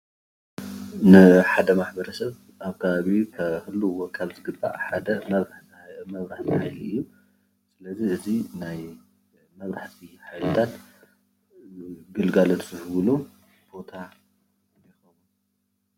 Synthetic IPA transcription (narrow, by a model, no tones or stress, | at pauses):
nɨħad̪ɐmaħbɐɾɐsɐβ | ʔaβkʰɐβaβikʰɐhɨlːuwɔkʰːalzɨɡɨbːa̰ʔħad̪ɐmɐβɾaħmɐβɾaħt̪ʰɨhajliɨjːu | sɨlɐziɨzinaj | mɐβɾaħt̪ʰiħajlɨt̪ʰan | ɡɨlɡalot̪zɨhβlu | b̥o̞t̪ʰa | jɛxɐβu